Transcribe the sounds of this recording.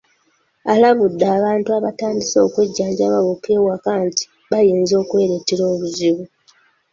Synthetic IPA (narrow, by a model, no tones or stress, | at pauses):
alaβudːaːβaːntuaβataːndiso̞ːkweɟːaːɲɟaβaβokewakanti̥ | βajiːnzo̞ːkwe̞ːɾeteɾo̞ːβuziβu